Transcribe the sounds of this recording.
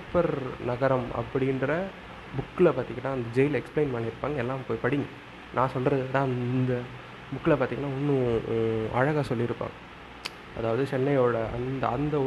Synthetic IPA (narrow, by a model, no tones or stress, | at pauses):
pːɐɾnɐɣɐɾɐmɐ̰pːɐɽɪnɾɐ | bʊkːɪlɐpaːɾt̪iːŋɡɐnːaːɐnd̪ɐd͡ʒɛjɪlɛksplɛɪnpaːnɪɾɯpːaːŋɡɐɛlːaːmpoːjpɐɽɪŋɡɯ | nãːsɔlɾɐðɯnãːɐnd̪ɐ | bʊkːɪlɐpaːɾt̪iːŋɡɐnːaːɔnːɯ | ɐ̰ɻɐɣaːsɔlːɪɪɾɯpːa̰ːŋɡɐ | ɐðaːʋɐðɯt͡ʃɛnːɐjoːɽɐʔɐ̰nd̪ɐɐnd̪ɐɔ